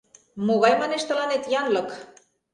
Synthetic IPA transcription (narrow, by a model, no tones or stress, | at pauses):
moɣɑjmɑneʃt̪ə̆lɑnet̪jɑnlɤ̆k